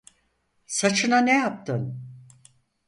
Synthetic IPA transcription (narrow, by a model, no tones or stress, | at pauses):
sat͡ʃʰɯnanejap̚t̪ʰɯn